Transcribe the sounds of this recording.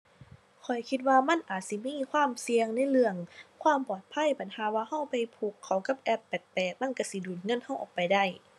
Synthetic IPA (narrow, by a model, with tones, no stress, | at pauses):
kʰɔ˨˩jkʰi˧t̪̚waː˧ma˧˥˨nʔaː˨˩t̪̚si˧˦miː˧˥˨kʰwaː˧˥˨msi˧əŋna˧˥˨jlɯ˧˩əŋkʰwaː˧˥˨mpɔː˨˩t̪̚pʰa˧˥˨jba˨˦nhaː˨˦waː˧ha˧˩wpa˨˩jpʰuː˧˩kʰːa˨˩wka˧˦p̚ʔɛ˧˩pːɛː˨˩t̪̚pɛː˨˩t̪̚ma˧˥˨nka˧˩si˧˦duː˨˩n̚ŋɤ˧˥˨nha˧˩wʔɔ̰ː˨˩k̚pa˨jda˧˥˩j